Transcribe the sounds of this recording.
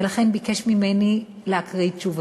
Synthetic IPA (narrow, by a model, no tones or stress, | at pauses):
elaχe̞nbikeʃmimeni | lehakʁiit͡ʃuv